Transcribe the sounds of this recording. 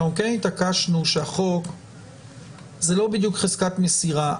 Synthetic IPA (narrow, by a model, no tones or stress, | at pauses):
amkejnit̪akaʃnuʃeaχo̞k | zelo̞bid̪jukχezkat̪mesiʁa